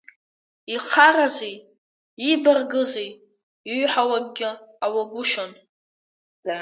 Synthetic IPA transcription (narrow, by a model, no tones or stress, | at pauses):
iχʰarazej | ibarɡɨzej | ɥħawaɡ̚ɡʲɪawaɡʷʊʃon